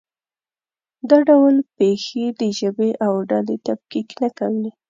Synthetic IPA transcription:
d̪aɖawlpexed̪əʒəbeʔawɖalet̪ab̚kiknakawi

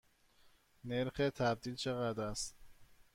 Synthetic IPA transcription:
neɾxet̪ʰæb̚d̪iːlt͡ʃʰe̞ɣæd̪ɾæst̪

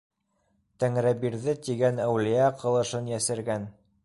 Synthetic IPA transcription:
t̪æŋɾæbiɾðɘt̪iɡænæwlijæqʰɤ̆lˠɤ̆ʃɤnjæsɘ̆ɾɡæn

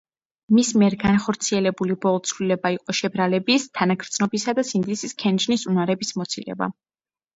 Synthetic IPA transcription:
mismiɛɾɡanχɔɾt̪sʰiɛlɛbulibɔlˠɔt̪sʰvlilɛbaiqʼɔʃɛbɾalɛbist̪ʰanaɡʰɾd̪snɔbisad̪asind̪isiskʰɛnd͡ʒnisunaɾɛbismɔt̪sʰilɛ̰ba̰

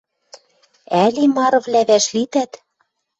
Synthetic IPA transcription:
ælimɑɾɤ̆vlæβæʃlit̪æt̪

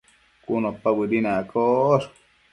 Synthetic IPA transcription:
kunopabɨɾinakoɾ

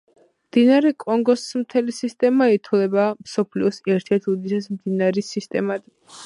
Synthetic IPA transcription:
md̪inaɾɛkʼɔŋɡɔsmt̪ʰɛlisist̪ʼɛmait̪ʰlɛbamsɔpʰliɔsɛɾt̪ʰɛɾt̪ʰud̪isasmd̪inaɾisist̪ʼɛ̰mad̪

